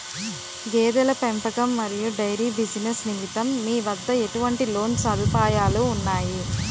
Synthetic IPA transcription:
ɡeːd̪ɐlɐpempɐkɐmːɐɾijuɖɐjɾibid͡ʒinɐsnimit̪ɐmːiːʋɐd̪ːɐe̞ʈuʋɐɳʈilo̞ːnsɐd̪ʱupaːjaːluːnːaːji

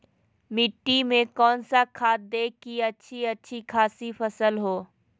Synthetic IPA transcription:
mɪʈːimẽkɔːnsakʰaːt̪̚d̪eːkːiɐtːʃʰiɐtːʃʰikʰaːsipʰəsəlɦoː

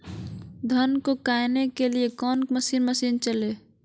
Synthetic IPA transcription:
d̪ʱənkokajnekeliekɔːnməsiːnməsiːnt͡ʃəle

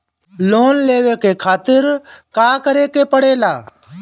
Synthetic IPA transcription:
loːnleːʋeːkeːkʰaːt̪ɪɾkaːkəɾeːkeːpəɽeːlaː

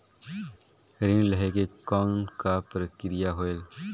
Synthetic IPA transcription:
ɾɪnləɦekekɔːnkapɾəkɾɪjaɦoeːl

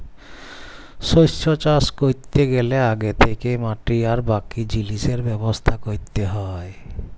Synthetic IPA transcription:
ʃojʃːot͡ɕaskoɾt̪ːeɡeleaɡet̪ʰekemaʈiaɾbakid͡ʑiliʃeɾbɛbost̪ʰakoɾt̪ːeɦɔe

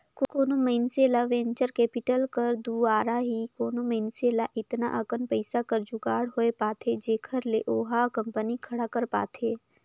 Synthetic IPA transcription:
kokoːnoməɪnseːlaʋẽːɲt͡ʃəɾkeːpɪʈəlkəɾd̪uaːɾaɦikoːnoməɪnseːlaʔɪt̪na̰ʔəkənpəɪsakəɾd͡ʒʊɡaːɽɦoepaːt̪ʰed͡ʒeːkʰəɾleʔoːɦakɐ̃mpənikʰɐɽakəɾpa̰ːt̪ʰeː

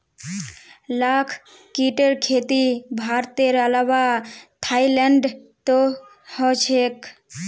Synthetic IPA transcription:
lakʰ | kiʈəɾkʰet̪ibʱaɾt̪eɾəlawat̪ʰaileɳɖt̪o | hɔt͡ʃʰek

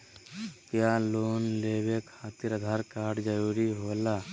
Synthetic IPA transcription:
kjaːloːnleːwekʰaːt̪iɾəd̪ʱaːɾkaːɾɖd͡ʒəɾuːɾiɦoːlaː

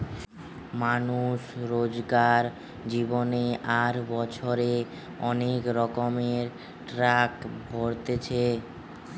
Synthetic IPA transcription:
manuʃɾod͡ʑɡaɾ | d͡ʑiboneʔaɾbɔt͡ɕʰoɾe | ɔnekɾɔkomeɾ | ʈɾakbʱoɾt̪et͡ɕʰe

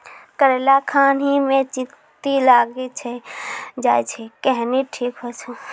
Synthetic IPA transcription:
kəɾelakʰaːnɦimẽt͡ʃɪ | t̪ilaːɡit͡ʃʰed͡ʒaːet͡ʃʰekɛɦniʈʰiːkɦot͡ʃʰu

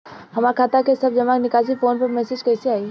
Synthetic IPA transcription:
ɦɐmaːɾkʰaːt̪akesɐb̚d͡ʒɐmaːknɪkaːs̬ifoːnpɐɾmɛːsed͡ʒkɛːseaːi

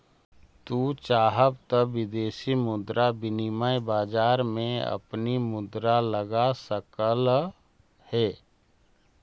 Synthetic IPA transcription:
t̪uːt͡ʃaːɦəb̚t̪əʋɪd̪eːʃimʊd̪ɾabɪnimajbaːd͡ʒaːɾmẽɐ̰pnimʊd̪ɾaləɡasəkəl | hɛː

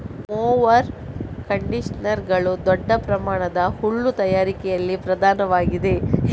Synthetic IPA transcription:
moːʋɐɾkɐɳɖiʂɐnɐɾɡɐɭud̪ɔɖːɐpɾɐmaːɳɐd̪ɐhuɭːut̪ɐjaːɾikɛjɐlːipɾɐd̪ʱaːnɐʋaːɡid̪e̞

